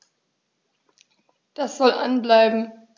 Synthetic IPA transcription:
d̥asz̥ɔlʔa̰nblaɪbm̩

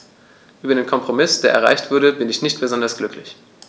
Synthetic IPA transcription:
ʔyːbɐdeːnkʰɔmpʁ̥omɪsd̥eːɐʔɛ̰ɐʁa̰ɪçtv̥ʊɐɾəbɪnɪçnɪçtb̥əzɔndɐsɡ̥lʏkʰlɪç

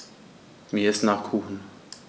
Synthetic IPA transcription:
miːɪstnaːχkʰuːxn̩

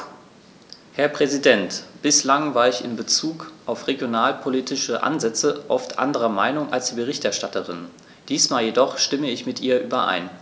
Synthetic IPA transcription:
hɛɐpʁ̥ɛzidɛntb̥ɪslaŋvaːɐɪçɪ̰nbət͡suːkʔaʊfʁeɡjonaːlpʰoliːtʰɪʃəʔa̰nzɛt͡səʔɔftʔa̰ndəʁɐmaɪnʊŋʔa̰lsd̥iːbəʁ̞ɪçtɛɐʃtatəʁɪ̰n | d̥iːsmaːljedɔχʃtɪməɪçmɪtʔiːɐʔyːbɐʔa̰ɪn

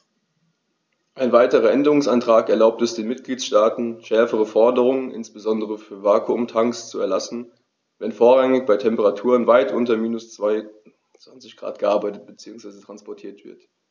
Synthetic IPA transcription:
ʔaɪnvaɪtəʁɐʔɛndəʁʊŋsʔantʁ̥aːkɛɐlaʊp̚tɛsd̥eːnmɪt̚ɡ̥liːtsʃtaːtn̩ʃɛɐfəʁ̞əfɔɐdəʁ̞ʊŋənʔɪ̰nsb̥əzɔndəʁəfyːɐvaːkʰuʊmtʰaŋkst͡suɛɐlasn̩ | vɛnfoːɐʁaŋɪçb̥aɪtʰɛmpəʁatʰuːʁənvaɪtʔʊntɐmiːnʊst͡sv̥aɪ | t͡sv̥ant͡sɪçɡ̥ʁa̰ːt̚ɡ̥əʔaɐbaɪtət̚b̥ət͡siːʊŋsv̥aɪzətʁ̥anspɔɐtʰiːɐtv̥ɪ̰ɐt

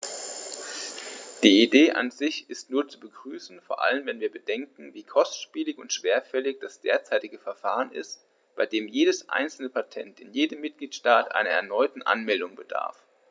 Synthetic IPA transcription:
d̥iːideːʔa̰nzɪçɪstnuːɐt͡subəɡʁyːsn̩foːɐʔa̰lənvɛnviːɐbədɛŋkŋ̩viːkʰɔstʃpiːlɪçʊntʃv̥eːɐfɛlɪçd̥asd̥ḛːɐt͡saɪtɪɡəfɛɐfaːʁ̞ənɪ̰st | b̥aɪdeːmjeːɾəsʔa̰ɪnt͡sl̩nəpʰatʰɛ̰ntɪnjeːdəmːɪt̚ɡ̥liːtʃtaːtʔa̰ɪnɐɛ̰ɐnɔʏtn̩ʔa̰nmɛldʊŋbəd̥a̰ɐf

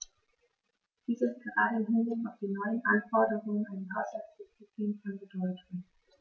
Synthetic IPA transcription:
d̥iːsɪst̚ɡ̥əʁaːdəɪnɦɪnɪtaʊfd̥iːnɔʏənʔanfɔɐdəʁʊŋənaɪnhasasɪsitʰiːnfɔnbədɔʏtʊŋ

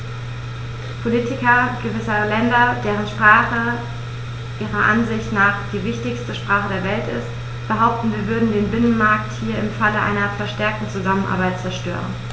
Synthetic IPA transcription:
pʰoliːtɪkɐɡ̥əvɪsəʁəlɛndɐd̥eːʁ̞ənʃpʁ̥aːχə | ʔiːʁɐʔa̰nzɪçtnaːχd̥iːvɪçtɪçstəʃpʁ̥aːχədeːɐvɛltɪ̰st | b̥əɦaʊp̚tn̩viːɐvʏɐdn̩deːnbɪnənmaɐkthiːɐɪmfaləʔa̰ɪnɐfɛɐʃtɛɐk̚tn̩t͡suzamənʔa̰ɐbaɪt̚t͡sɛɐʃtø̰ːʁə̰n

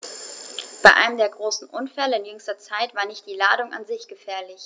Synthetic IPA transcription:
b̥aɪʔa̰ɪnəmdeːɐɡʁoːsn̩ʔʊnfɛləɪnjʏŋstɐt͡saɪtv̥aːɐnɪçt̚d̥iːlaːdʊŋʔa̰nzɪçɡ̥əfɛːɐlɪç

